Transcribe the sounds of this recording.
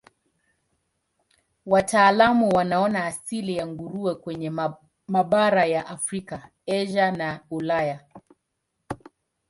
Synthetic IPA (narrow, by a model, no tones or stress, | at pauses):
watʰaːlamuwanaɔnaːsilijaŋɡuɾuɛkwɛɲɛ | maɓaɾajaʔafɾika | ɛʒanaulaja